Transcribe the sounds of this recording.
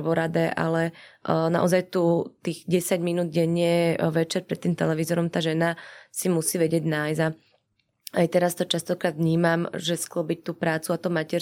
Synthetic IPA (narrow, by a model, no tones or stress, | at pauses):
ʋɔɾad̪ɛʔa̰lɛna̰ʔɔzajt̪uːt̪iːɣɟɛsaɟminuːd̪̚ɟɛɲɪɛʋɛt͡ʃɛɾpɾɛt̪ːiːmt̪ɛ̰lɛʋizɔɾɔmt̪aːʒɛnasimusiːʋɛɟɪɛɟnaːjza | ajt̪ɛɾast̪ɔt͡ʃast̪ɔkɾaːd̪vɲiːmamʒɛsklɔbic̚t̪uːpɾaːt͡suat̪ɔmacɛɾ